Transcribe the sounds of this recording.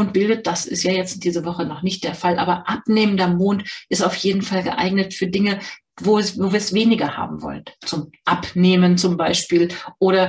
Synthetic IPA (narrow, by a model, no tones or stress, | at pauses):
ʊnt̚b̥ɪldət̚d̥asɪstjaːjɛt͡std̥iːzəvɔχənɔχnɪçt̚d̥eːɐfalʔa̰ːbɐʔap̚neːməndɐmoːntʔɪstaʊfjeːdn̩falɡəʔa̰ɪɡnətfyːɐdɪŋə | vovoːviːɐsv̥eːnɪɡɐha̰ːbm̩vɔ̰lənt͡sʊmʔapneːmənt͡sʊmbaɪʃpiːlʔoːɾɐ